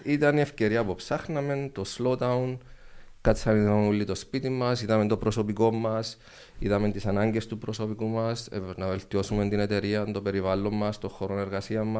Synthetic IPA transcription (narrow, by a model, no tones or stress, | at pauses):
it̪ɐnie̞fce̞ɾiɐpopsɐxnɐme̞nt̪o̞slot̪ɐunkɐt̪t͡sːɐniðɐulːit̪o̞spit̪imːɐsiðɐment̪o̞pɾo̞so̞piko̞mːɐs | iðɐme̞nt̪isɐnɐɲɟe̞st̪upɾo̞so̞pikumɐsnɐve̞lt̪io̞sume̞nt̪ine̞t̪e̞ɾiɐnt̪o̞pe̞ɾivalːo̞mːɐst̪o̞xo̞ɾo̞ne̞ɾɣɐsiɐmːɐs